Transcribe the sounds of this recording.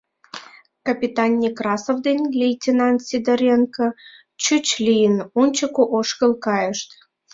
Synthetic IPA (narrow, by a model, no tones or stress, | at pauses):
kɐpʲit̪ɑnʲːikrɑsovd̪enʲlʲejtʲinɑnt̪sʲid̪əɾʲenkə | t͡ɕyt͡ɕlʲijənunʲt͡ɕəkoʔoʃkə̆lˠkɑjəʃt̪